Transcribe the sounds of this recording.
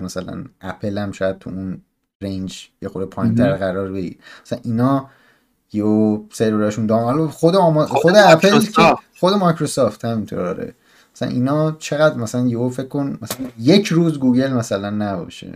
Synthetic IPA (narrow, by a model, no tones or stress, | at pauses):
mæsælæ̰nʔæpʰelæmt͡ʃɒjæd̪̚t̪ʰuun | rejnd͡ʒjexoɾepʰɒːjint̪ʰæɾɣæɾɒːɾbeɟḭd̪̥mæsææ̰nʔiːnɒː | jeosejɾeɾɒʃund̪ɒːhɒlɒxod̪eɒːmɒxod̪eæpʰelcʰexo̞d̪emɒjcɾo̞sɒːft̪hæmint̪ʰo̰ɾd̪ɒ̰ːɾḛ | mæ̥sælæ̰nʔiːnɒːt͡ʃʰe̞ɣæd̪mæsælænjeofekkːo̞nmæsælænje̞cʰɾuːzɡuːɡe̞lmæsælænːæbɒ̰ːʃḛ